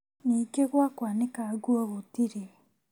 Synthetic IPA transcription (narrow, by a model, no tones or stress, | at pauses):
nikeɣwakwanekaɡuoɣotiɾe